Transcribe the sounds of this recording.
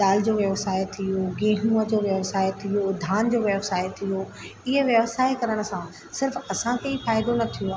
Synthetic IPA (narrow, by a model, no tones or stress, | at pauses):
ɗ̪aːld͡ʑoːʋjɐʋsaːɪjt̪ʰijoɡẽːɦũəd͡ʑoːʋjɐʋsaːɪt̪ʰijod̪ʱaːnd͡ʑoːʋjɐʋsaːjt̪ʰijo | ɪɦəʋjɐʋsaːikɐɾəɽ̃ə̆sã | sɪɾfɐsãkeifaːɪd̪onɐt̪ʰijũa